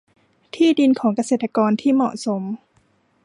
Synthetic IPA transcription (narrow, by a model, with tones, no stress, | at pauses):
t̪ʰiː˥˩di˧nkʰɔː˩˦ŋka˧seː˨˩t̪ːa˧kɔː˧nt̪ʰiː˥˩mɔ̰˨˩ʔso˩˦m